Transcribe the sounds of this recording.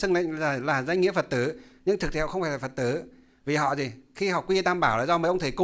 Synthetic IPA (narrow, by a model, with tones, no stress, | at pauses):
ɨ˧ŋlḭ̈˧˨ŋ̟aː˨˩laː˨˩za˧ŋ̟ŋḭ˧˥fə˨˩t̚t̪ɨ˨˦ɲɨ˧ŋt̪ʰɨ˨k̚t̪ʰːŋ͡mfaː˧˩laː˨˩fə˨˩t̪ɨ˨˦ | vi˨˩ɦɔ̰˧˨zi˨˩xi˧hɔ̰˧˨kwi˧t̪aː˧mɓaː˧˩wlaː˨˩zɔ˧məː˨˩jʔə˧wŋ͡mt̪ʰe˨˦kʊ˧˨